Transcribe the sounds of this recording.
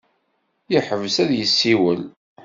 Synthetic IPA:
jəħəvsæðjəsːiwəl

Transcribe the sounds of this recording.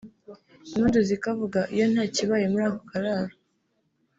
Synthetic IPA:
imuduzikavuɡaʔijo̞n̥haːciβajemuɾaːkokaɾaɾo

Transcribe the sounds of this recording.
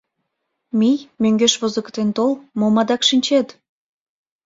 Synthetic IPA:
mijmøŋɡeʃβozə̆kt̪ent̪olmomɑd̪ɑkʃinʲt͡ɕet̪

